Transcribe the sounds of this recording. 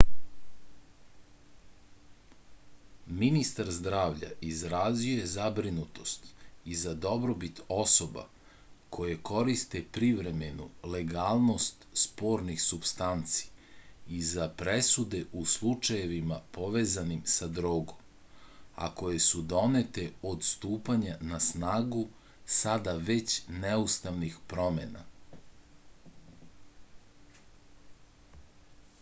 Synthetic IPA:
minist̪aɾzd̪ɾaːʋʎa̰izɾazije̞zabɾinut̪o̞st̪izad̪o̞bɾobit̪o̞so̞ba̰ | kʰo̞je̞ko̞ɾist̪epɾiʋɾe̞menuleɡaːlˠno̞st̪spo̞ːɾnixsupst̪ant̪si̥izapɾesud̪e̞ʔuslˠut͡ʃaje̞ʋimapo̞ʋe̞ːzanimsad̪ɾoːɡom | a̰ko̞je̞sud̪o̞net̪e̞o̞d̪st̪uːpaɲanasnaːɡu | sad̪aʋe̞t͡ɕneust̪aʋnixpɾo̞mḛna̰

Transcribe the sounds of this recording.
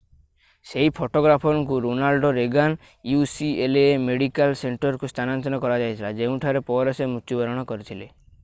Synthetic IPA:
seɦipʰoʈoɡɾapʰɔŋkuɾonalɖɔɾeɡan | jusielemeɽikalseɳʈɔɾkust̪ʰanant̪ɔnɔkɔɾad͡ʒajt̪ʰilad͡ʒeũʈʰaɾepɔɾɔsemut̪ubɔɾɔɽ̃ɔkɔɾit̪ʰile

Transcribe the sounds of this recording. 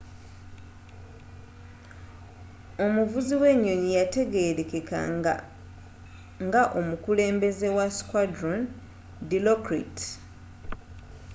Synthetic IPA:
o̞muvuziwe̞ɲːo̞ɲijate̞ɡe̞ɾekeka̰a | ŋɡaʔo̞mukule̞ːmbe̞ze̞waskwadɾon | dilokɾḭt

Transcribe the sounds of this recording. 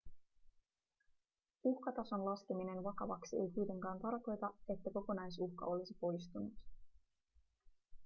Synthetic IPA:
uhkɑt̪ɑso̞nlɑskemine̞nʋɑkɑʋɑksie̞̰jkujt̪e̞ŋkɑːnt̪ɑrko̞jt̪ɑe̞t̪ːæko̞ko̞nɑjsuxkɑ̰o̞lisipo̞jst̪unut̪

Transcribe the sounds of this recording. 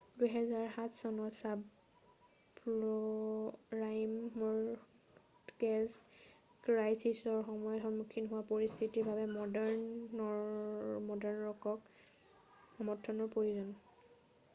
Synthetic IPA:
dujɦɛzaɹɦatʰsɔnɔtsab | plɔ | ɹajmɔɹ | kɛz | kɹajsisɔɹxɔmɔjɔtɦɔnmukʰːinɦʊwapoɹist̪ʰitiɹbʱabɛmɔdɛɹnɔ | mɔdɛɹnɔɹɔkɔk | amɔtʰːɔnɔɹpɹojuzɔn

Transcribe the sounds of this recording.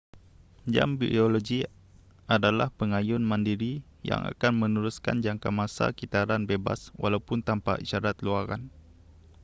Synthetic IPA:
d͡ʒa̰mbḭdioloɡi | ʔadalahpəŋajʊnmandiɾi | ja̰ŋa̰kanmənuɾuska̰nd͡ʒaŋkamasa̰kit̪aɾanbeba̰swa̰lawpʊnt̪ampa̰ʔiʃaɾat̪luaɾa̰n

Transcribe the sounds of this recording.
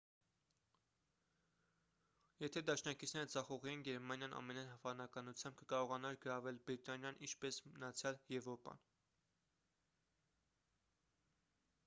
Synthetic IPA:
jɛt̪ʰɛd̪ɑʃnɑkit͡sʰnɛɾəd͡zɑχɔʁiɛnɡɛɾmɑnjɑnʔɑ̰mɛnɑjnhɑvɑnɑkɑnut͡sʰjɑmb̚kəkɑɾɔʁɑnɑɾɡəɾɑvɛlbɾit̪ɑnjɑnʔḭnt͡ʃʰpɛsmənɑt͡sʰjɑljɛvɾɔpɑ̰n

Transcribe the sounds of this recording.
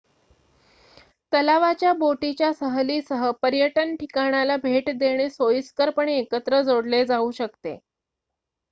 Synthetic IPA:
t̪əlaʋat͡ɕjaboʈit͡ɕjasəɦlisəɦəpəɾjəʈənʈʰikaɳ̃jalabʱeʈd̪eɽ̃esojiskəɾpəɳ̃eːkət̪ɾəd͡zoɽled͡zauːɕək̚t̪ḛ

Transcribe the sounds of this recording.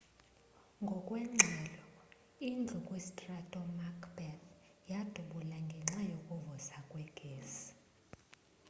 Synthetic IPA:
ŋɡʱɔkʼwɛŋ͡ǀʱɛlɔ | ind͡ɮʱukʼwesitʼratʼɔmakʰbɛθ | jad̥ʱuɓulaŋɡʱɛŋ͡ǁajokʼuvɔsakʼwɛɡ̥ʱeːsi̥

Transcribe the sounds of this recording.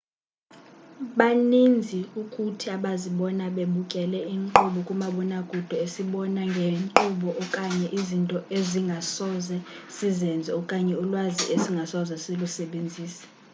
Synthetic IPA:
ɓanind͡zʱiukʼutʰiaɓaziɓɔnaɓeɓukʼɛlɛiŋǃuɓɔkʼumaɓɔnaɡ̥ʱud̥ʱɔesiɓɔnaŋɡʱeǃuɓɔʔɔkʼaɲɛʔizintʼɔeziŋɡʱasɔzɛ | sizɛnd͡zʱɛɔkʼaɲɛulwazḭʔesiŋɡʱasɔzɛselusɛɓend͡zʱiːsɛ̥

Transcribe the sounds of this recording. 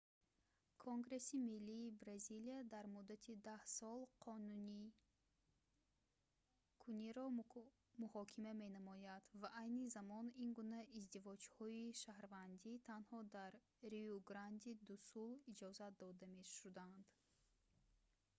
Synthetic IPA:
kʰoŋɡɾe̞similːiːbɾaziliad̪aɾmud̪at̪ʰid̪ahsɔlˠqʰɔnuni | kʰuniɾɔ | muhɔkʰimame̞namɔjad̪vaʔajnizamɔninɡunaizd̪ivɔd͡ʒhɔiʃahɾvand̪it̪ʰanhɔd̪aɾː | iuɡɾand̪id̪usulid͡ʒɔzat̪̚d̪ɔd̪ameʃud̪and̪

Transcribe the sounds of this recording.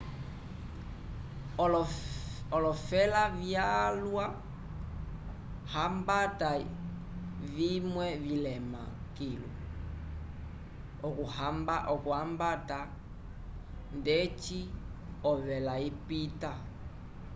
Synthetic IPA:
ɔlɔfɛlavjalwa | hambata | vimwɛvilɛma̰kilṵ | ɔkuhambaʔɔkuambata | ndɛt͡ʃiɔβɛlaipita

